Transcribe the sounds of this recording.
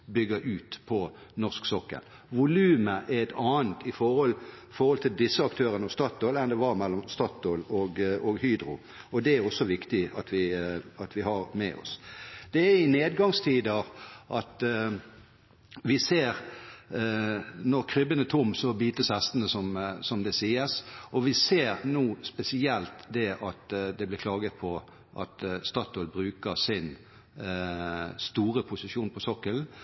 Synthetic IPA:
bʏɡəɾʔʉːt̪pʰɔnɔʁsksɔkːə̰ɾ | ʋʊlʉːməʔæɛt̪ʰɑːənt̪ɪfɔhɔlfɔhɔlt̪ʰɪld̪ɪsːəɑkt̪ʰøːɾənəɔst̪ɑt̪ːoːlɛnd̪ɛʋɑɾmɛlːɔmst̪ɑt̪oːlɔɡɔɡhyːd̪ɾʊ | ɔd̪ɛæɾɔsːɔʋɪkt̪ɪɑt̪ʋɪɑt̪ʋɪhɑɾmɛ̰ʔɔ̰sd̪̥ɛæɪneːd̪ɡɑŋst̪ʰiːd̪əʔɑt̪ | ʋɪseːʁ | nɔʁkʰɾʏbənət̪ʰʊmsɔbiːt̪əshæst̪ənəsɔmsɔmd̪ɛsiːəsɔʋɪseːʁnuːspɛsɪɛlt̪d̪ɛʔɑt̪d̪ɛblɪkʰlɑːɡət̪̚pʰɔ | ʔɑ̰t̪st̪ɑt̪ːɔlbɾʉːkəsɪn | st̪uːʁəpʰʊsɪʃuːnpʰɔsɔkːəln

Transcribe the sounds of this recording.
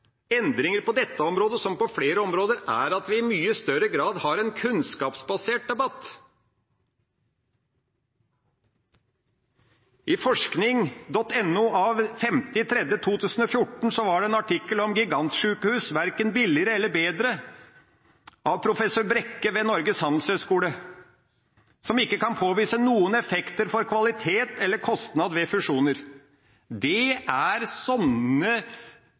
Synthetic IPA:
ɛnd̪ɾɪŋəɾpɔd̪ɛt̪ːəɔmɾoːd̪əsɔmpɔfleːɾəɔmɾoːd̪əɾæ̰ɾɑt̪ʋɪɪmyːəst̪œɾəɡɾɑːd̪hɑɾɛnkʰʉnskɑːpsbɑseːʈ̚d̪ɛbɑt̪ː | ʔɪfɔʂknɪŋd̪ɔt̪ːɛnːʊɑʋfɛmt̪ɪt̪ʰɾɛd̪jət̪ʰuːt̪ʰʉːsən̩ɔfjʊʈːɳ̩sɔʋɑɖɛɛnɑʈʰɪkːəlɔmɡɪɡɑnt̪ʂʉːkəhʉːsʋæɾkənbɪlɪəɾəɛlːəɾbeːd̪ɾə | ʔɑʋpʰɾʊfɛsøːɾbɾɛkːəʋeːnɔɾɡəshɑnl̩shøːskuːlə | sɔmɪkːəkɑnpʰoːʋiːsənuːənɛfɛkt̪əɾfɔɾkʰʋɑlɪt̪ʰeːt̪ɛlːəɾkʰɔst̪nɑd̪ʋɛfʉʂuːnəɾ | d̪ɛæɾsɔnə

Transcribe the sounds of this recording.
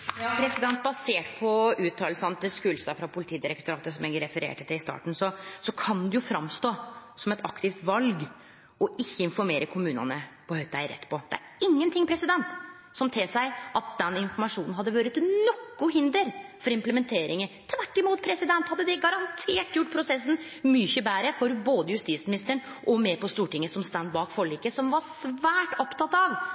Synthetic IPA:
pʰɾɛsɪd̪ɛnt̪̚bɑseːʈpʰɔʉːt̪ʰːɑːlsɑnət̪ɪlskʉːlsɑfɾɑpʰʊlɪt̪iːd̪ɪɾɛkt̪ʊɾɑːt̪əsɔmeːɡəɾɛfəɾḛːʈət̪ʰːɪɪst̪ɑ̰ːʈɳ̩sɔsɔkʰɑnd̪ʉjʊfɾɑmst̪oːsɔmɛt̪ʰɑ̰kt̪ɪft̪ʋɑlɡ | ɔɪçːəɪnfɔɾmeːɾəkʰʊmʉːnɑ̰nəpɔhœʏt̪ɑæɪɾɛ̰t̪ːpʰɔd̪ɛ̰æ̰ɾɪŋːənt̪ɪŋːpʰɾɛsɪd̪ɛnt̪ | sɔmt̪ʰeːsæɪʔɑt̪̚d̪ɛnɪnfɔɾmɑʂuːnn̩ɦɑd̪ːəʋøːɾət̪nɔkːʊɦɪnd̪əɾfɔɾɪmpləmɛnt̪ʰeːɾɪŋət̪ʰʋæʈːɪmuːt̪̚pʰɾɛsɪd̪ɛnt̪hɑd̪ːəd̪ɛɡɑɾɑnt̪ʰeːʈːjʊʈːpʰɾʊsɛsn̩mʏçəbæːɾəfɔɾboːd̪əjʉst̪iːt̪smɪnɪst̪əɳ | ʔɔmɛpɔst̪uːʈɪŋːəsɔmst̪ænd̪bɑːkfɔɭiːkəsɔmʋɑsʋæːʈɔpt̪ɑt̪ːɑʋ

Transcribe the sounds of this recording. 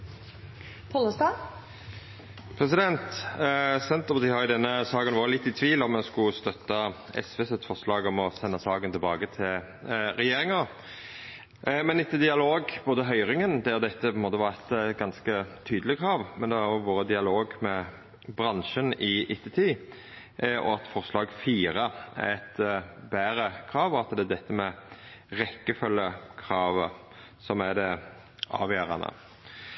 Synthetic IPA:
pʰɔləsd̪ɑː | pʰɾɛs̬ɪd̪ɛnt̪ | sɛnt̪əpɑt̪iːhɑɾjʊd̪ɛnːəsɑːɡənʋoːɾəlɪt̪ːɪt̪ʰʋiːlɔmːɛnskʊst̪œt̪ːɑ | ɛ̰sʋɛsɛt̪fɔʁslɑːɡɔmɔsɛnːɑsɑːɡənt̪ʰɪlbɑːɡət̪ʰɪl | ɾɛjeːɾɪŋɑ | mɛnɪt̪ʰːəd̪ɪɑloːɡb̥oːd̪əɦœʏʁɪŋənd̪æd̪ɛt̪ːəpʰɔɪnmoːt̪əʋɑʁɛt̪ɡɑnskət̪ʰyːd̪lɪkʰɾɑːʋmɛnd̪ɛæʁʊʋoːɾəd̪ɪɑloːɡmɛ | bʁɑnʃənɪʔɪt̪ːət̪ʰiː | ɔ̰ɑt̪fɔɾslɑːɡfiːɾəɛ̰t̪bæːɾəkʰʁɑːʋɔɑt̪d̪ɛæd̪ɛt̪ːəmɛʁɛkːəfʉlːəkʰʁɑːʋə | sɔmæd̪ɛ | ʔɑ̰ːʋjøːɾɑ̰nə̰

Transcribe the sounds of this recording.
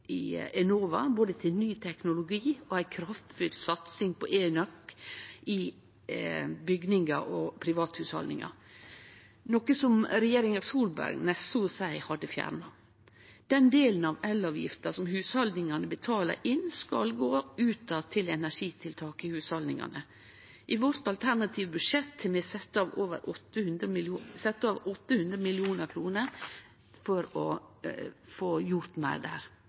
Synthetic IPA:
ɪɛnoːʋɑ̰boːd̪ət̪ʰɪlnyːt̪ʰɛknʊlʊɡiːɔæɪkʰɾɑft̪fʉlsɑt̪sɪŋpʰɔʔeːnœkː | ɪ | bʏɡnɪŋɑ̰ʔɔpʰɾɪʋɑːt̪hʉːshɑ̰ld̪nɪ̰ŋɑ̰ | noːkəsɔmɾɛjeːɾɪŋɑsuːlbæ̰ɾɡnɛsʊsæɪhɑd̪ːəfjæ̰ːɾɳɑ | d̪̥ɛnd̪eːlən̩ɑʋɛlːɑːʋjɪ̰ft̪əsɔmhʉːshɑld̪nɪŋɑnəbət̪ʰɑːlə̰ɾʔɪnskɑ̰lɡoːʉːt̪ɑt̪ʰɪlɛnæʂiːt̪ʰɪlt̪ʰɑːkəɪhʉːshɑld̪nɪ̰ŋɑ̰nə | ʔɪʋɔɾt̪ɑlt̪ʰæɾnɑt̪ʰiːʋəbʉʂɛt̪ʰːmɛsɛt̪ːɑʋoːʋə̰ɾʔɔt̪ːəhʉnd̪ɾəmsɛt̪ːɑːʋɔt̪ːəhʉnd̪ɾəmɪlɪuːnəɾkʰɾuːnəɾ | fɔɾɔ | foːjʊɾt̪mæ̰ɪd̪æ̰ːɾ

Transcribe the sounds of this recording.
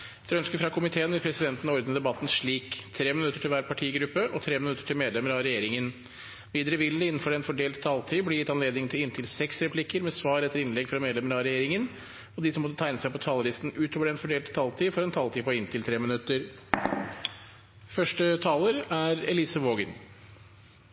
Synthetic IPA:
d̪ɛɾœnskəɾfɾɑkʰʊmɪt̪ʰeːənʋɪlpʰɾɛsɪd̪ɛnt̪ənɔɾd̪nəd̪ɛbɑt̪ːn̩ʂɭiːkt̪ʰɾeːmɪnʉt̪ːəʈʰɪlʋæːɾpʰɑʈʰiːɡɾʉpːəʔɔt̪ʰɾeːmɪnʉt̪ːə̥ʈʰɪlmeːd̪lɛməɾɑɾɛjeːɾɪŋən | ʋiːd̪ɾəʋɪlnəɪnːn̩fɔɖɛnfɔɖeːlt̪t̪ʰːɑːlt̪ʰiːblɛjɪt̪ːɑnleːd̪nɪŋt̪ʰɪlɪnt̪ʰɪlsɛksɾɛpʰlɪkːəɾmɛsʋɑːɾɛt̪ːəɾɪnlɛɡfɾɑmeːd̪lɛməɾɑɾɛjeːɾɪŋən | ɔd̪ɪsɔmɔt̪ːət̪ʰæɪnəsæɪɔpʰːɔt̪ʰɑːləlɪst̪n̩ʉːt̪ʰoːʋəɖɾɛnfɔɖeːlt̪t̪ʰːɑːlt̪ʰiːfɔɾɛnt̪ʰɑːlt̪iːpɔɪnt̪ʰɪlt̪ʰɾeːmɪnʉt̪ːəɾ | fœʂʈət̪ʰɑːləɾæɾɛ̰liːsəʋoːɡən

